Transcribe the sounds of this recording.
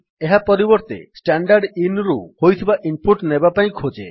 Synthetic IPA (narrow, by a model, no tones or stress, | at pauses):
eɦapɔɾibɔɾt̪ḛsʈaɳɖaɾɖinɾuhojt̪ʰibaʔimpuʈnebapaĩkʰod͡ʒe